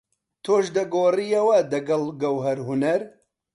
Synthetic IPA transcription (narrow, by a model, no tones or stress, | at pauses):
t̪ʰoːʃd̪ɐɡoːrijɐwɐd̪ɐɡɐlˠɡɐwɦɐɾɦunɐɾ